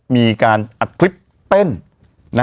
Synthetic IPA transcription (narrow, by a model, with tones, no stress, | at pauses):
miː˧kaː˧nʔa˨˩t̪̚kʰli˦˥p̚ | t̪e˥˩n | na˦˥